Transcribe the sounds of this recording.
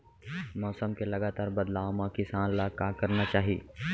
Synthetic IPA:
mɔːsəmkelɐɡaːt̪aːɾbɐd̪laːʋmãkɪsaːnlakakɐɾnat͡ʃaːɦiḛ

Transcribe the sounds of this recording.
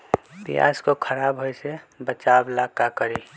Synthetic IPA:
pḭja̰skokʰəɾabɦojsebət͡ʃablakakəɾi

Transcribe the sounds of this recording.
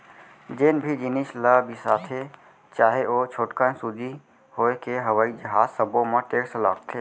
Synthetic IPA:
d͡ʒenbʱid͡ʒinislabisaːt̪ʰe | t͡ʃaːɦeot͡ʃʰoːʈkənsud͡ʒi | hoːekeɦəʋaːid͡ʒəɦaːzsəbõmeʈeːksla̰ːkt̪ʰeː

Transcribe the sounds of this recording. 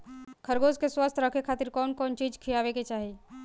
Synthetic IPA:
kʰəɾɡoːzkeswast̪ʰɾəkʰekʰaːt̪ɪɾkɔːnkɔːnt͡ʃiːd͡ʒkʰijaːʋeket͡ʃaːɦi

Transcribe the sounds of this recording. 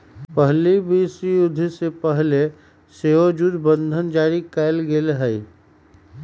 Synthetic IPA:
pəɦlibiːsijʊd̪ʱːsepəɦle | seːod͡ʒud̪bə̃nd̪ʱənd͡ʒaːɾikɛɪlɡelɦəi

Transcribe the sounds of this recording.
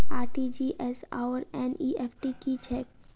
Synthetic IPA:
aːɾʈid͡ʒiːʔɛsa̰ːʋəɾɛ̃ːniːʔɛːfʈikit͡ʃʰɛːk̚

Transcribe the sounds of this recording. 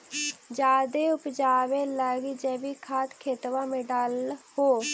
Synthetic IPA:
d͡ʒaːd̪eːʊpd͡ʒaːʋeːlɛːɡid͡ʒɛːbikʰaːt̪kʰeːt̪ʋãːmẽːɖalhoː

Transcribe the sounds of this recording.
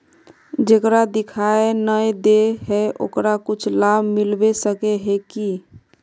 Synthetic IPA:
d͡ʒekɾad̪ikʰaenəjd̪eɦɛʔo̰kɾakut͡ʃʰlabʱmilbesəkeɦeki

